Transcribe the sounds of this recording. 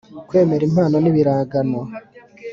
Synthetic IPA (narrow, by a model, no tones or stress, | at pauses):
kwe̞ːme̞ɾim̥aːnoniβiɾaːɡanwa